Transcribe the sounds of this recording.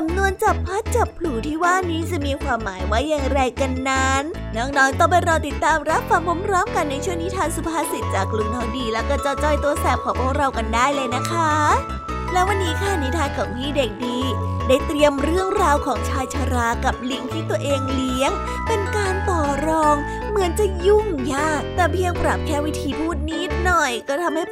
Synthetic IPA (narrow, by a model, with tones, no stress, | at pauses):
sa˨˦mnu˧ənt͡ɕa˨˩pʰːa˦˥t̪̚t͡ɕa˨˩pʰluː˨˩˦t̪ʰiː˥˩waː˥˩niː˦˥t͡ɕa˨˩miː˧kʰwaː˧mːaː˩˦jwa˦˥˩jːaː˨˩ŋɾa˧jka˧nːa˦˥nːɔː˥˩k̚nɔː˦˥ŋt̪ɔ˥˩ŋpa˧˩jɾa˧wt̪i˨˩t̪ːaː˧mɾa˦˥p̚ʰwaː˧mko˧˦˥mpʰɾɔː˦˥mka˧nːa˧jt͡ɕʰu˥əŋniː˦˥t̪ʰaː˧ŋsu˧˦pʰaː˧si˨˩t̪̚t͡ɕaː˨˩kːlu˧˩mnɔː˨˥ŋdiː˧lɛː˦˥wkɔː˥˩t͡ɕɔ˧˩t͡ɕɔ˧˩jt̪u˧əsɛː˨˩p̚kʰɔː˨˩˦pʰɔː˧˩ɾa˧wka˧ndaː˥˩jlɤː˧jna˦˥kʰa˦˥ | lɛː˦˥wa˧nːiː˦˥kʰa˥˩ni˧˦˥t̪ʰaː˧nkʰa˨˩wmiː˥˩de˨˩k̚diː˧daː˥˩jt̪ɾi˧əmɾɯ˥˩əŋɾaː˧wkʰɔː˩˦ŋt͡ɕʰaː˧jt͡ɕʰaː˧ɾaː˧˩ka˨˩p̚li˦˥əŋt̪ʰiː˥˩t̪u˧ɐəʔeː˧ŋli˦˥əŋ | pe˧nkaː˧nt̪ɔː˨˩ɾɔː˧ŋ | mɯ˨˩˦ənt͡ɕa˨˩ju˥˩ŋjaː˧˥˩t̪ɛː˨˩pʰi˧ə˧ŋpɾa˨˩p̚kʰɛː˥˩wi˦˥t̪ʰiː˧pʰuː˥˩t̪̚niː˦˥nɔ˨˩jkɔː˥˩t̪ʰa˧mha˥˩